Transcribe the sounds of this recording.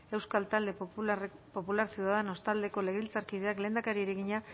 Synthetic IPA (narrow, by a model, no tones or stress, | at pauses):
e̞wskalt̪ald̪e̞ | po̞pulaɾsjiuðaðeno̞st̪ald̪e̞ko̞le̞ɣilt͡saɾkið̞e̞akleːnd̪akaɾieɾeɣiɲa